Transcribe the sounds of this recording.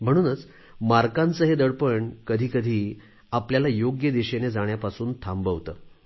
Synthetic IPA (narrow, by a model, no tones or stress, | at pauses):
m̤əɽ̃uːnət͡s | maɾkant͡səɦed̪əɽpəɳkəd̪ʱiːkəd̪ʱiː | apljalajoɡjəd̪eɕened͡zaɳjapasuːnt̪ʰambəʋt̪əː